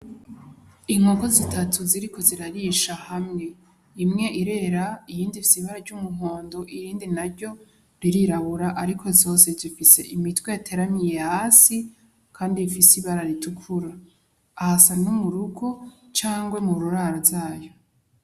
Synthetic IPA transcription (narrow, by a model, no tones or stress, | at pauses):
iŋ̥o̞ko̞zitatʰuziɾikʰo̞ziɾaɾiʃahamŋe̞ | imŋe̞ʔiɾe̞ɾaijiːndifisiβaɾaɾɟumuho̞ːndo̞ʔiɾiːndinaɾɟo̞ | ɾiɾiɾaβuɾaʔaɾikʰo̞zo̞ːse̞zifise̞̰ʔimitwejatʰe̞ɾamijehaːsi | kʰaːndifisiβaɾaɾitukʰuɾaː | hasanumuɾuɡo̞t͡ʃaːŋɡwemuɾuɾaɾaɾzaːjo̞